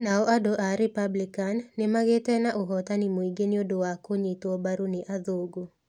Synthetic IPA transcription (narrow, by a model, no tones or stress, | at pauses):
naɔʔadoʔaɾipablikanːɪmaɡetɛnaʔoɦɔtanɪmoiɡeniodowakoɲetɔbaɾunɪʔaðoɡo